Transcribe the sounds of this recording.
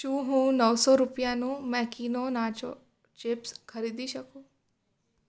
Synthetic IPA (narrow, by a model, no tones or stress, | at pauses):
t͡ʃũːɦũːnəʋsɔɾʊpjãnũːmɛkiːnonaːt͡ʃo̰ | t͡ʃɪpskʰɐɾiːd̪iʃɐkoː